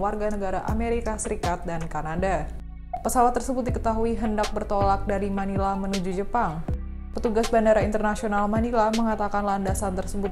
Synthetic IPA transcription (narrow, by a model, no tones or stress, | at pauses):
warɡanəɡaɾaʔa̰meɾikasəɾikat̪̚dankanada | pəsawat̪ːərsəbʊt̪̚dikət̪aɦuiɦəndak̚bərt̪olak̚daɾimanilamənud͡ʒud͡ʒəpaŋ | pət̪uɡasbandaɾaint̪ərnasionalmanilaməŋat̪akanlandasant̪ərsəbʊ